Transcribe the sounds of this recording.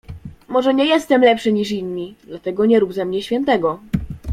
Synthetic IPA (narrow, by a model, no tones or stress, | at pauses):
mɔʐɛɲɛjɛst̪ɛmlɛpʂɘɲiʂ̬inʲːid̪lat̪ɛɡɔɲɛɾubzamɲɛɕfʲɛnt̪ɛɡɔ